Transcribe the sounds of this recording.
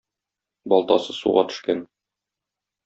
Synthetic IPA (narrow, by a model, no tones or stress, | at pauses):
bɒlˠt̪ɑ̰sɤsṵʁɑt̪ɵ̥̆ʃkæn